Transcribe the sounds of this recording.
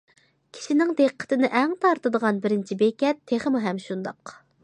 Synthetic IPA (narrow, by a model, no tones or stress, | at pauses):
kʲʰi̥ʃinɪŋd̪eqːə̥t̪ɪnɪʔɛŋt̪ʰɑɾt̪ɨd̪əʁɑnbɪɾɪnt͡ʃʰibekʲɛt̪ʰːeχəmɨɦɛmʃund̪ɑq